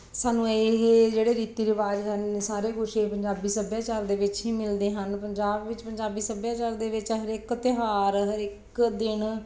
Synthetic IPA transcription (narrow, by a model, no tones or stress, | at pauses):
saːnũːeɦeːd͡ʒeːɽeːɾiːt̪iːɾɪʋaːd͡ʒɦənsaːɾeːɡʊʃeːpəɲd͡ʒaːbiːsəbjaːt͡ʃaːld̪eːʋɪt͡ʃɦiːmɪld̪eːɦənpəɲd͡ʒaːbʋɪt͡ʃpəɲd͡ʒaːbiːsəbjaːt͡ʃaːld̪eːʋɪt͡ʃɦəɾɪkt̪ɪɦaːɾɦəɾɪk | d̪ɪn